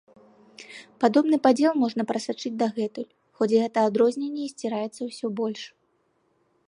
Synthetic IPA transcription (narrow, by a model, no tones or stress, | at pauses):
pad̪ɔbnɨpad͡zʲɛlˠmɔʐnɐpɾɐsʲat͡ʂɨd͡zʲd̪ɐɣɛt̪ulʲ | xɔt͡sʲɣɛt̪ɐad̪ɾɔzʲnʲenʲːɛisʲt͡sʲiɾajɛt̪sɐwsʲɔbɔlʲʂ